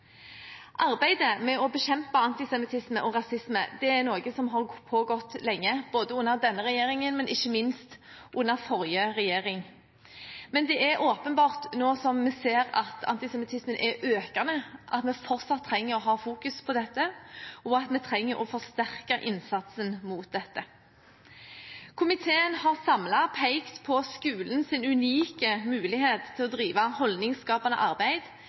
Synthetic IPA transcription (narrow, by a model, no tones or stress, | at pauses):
ʔɑɾbæɪd̪əmɛɔbɛɕɛmpɑɑnt̪ɪsɛmɪt̪ʰɪsməʔɔɾɑsɪsmə̰d̪ɛæɾnoːɡəsɔmɦɑɾpʰoɡɔt̪ːlɛŋːəb̥oːd̪əʊnːəɾd̪ɛnːəɾɛjeːɾɪŋənmɛnʔɪçːəmɪnst̪ | ʔʊnːəɾfɔɾjəɾɛjeːɾɪŋ | mɛnd̪ɛʔæɾʔoːpənbɑːʁt̪noːsɔmːɛseːɾɑ̰t̪ʰɑ̰nt̪ɪsɛmɪt̪ʰɪsmənʔɛɾʔøːkɑnəʔɑt̪mɛfɔɾt̪sɑt̪ʰːɾɛŋːəɾɔɦɑːfuːkʉspʰɔd̪ɛt̪ːəɔɑt̪mɛt̪ʰɾɛŋːəɾʔɔfɔʁst̪æʁkəʔɪ̰nsɑt̪sənmuːt̪̚d̪ɛt̪ːə | kʰʊmɪt̪ʰeːənhɑʁsɑmlɑpʰæɪkt̪pʰɔskʉːlnsɪnʉniːkəmʉːlɪheːt̪ʰːɪlɔd̪ɾiːʋɑhɔld̪nɪŋskɑːpɑnə̰ʔɑʁbæɪd̪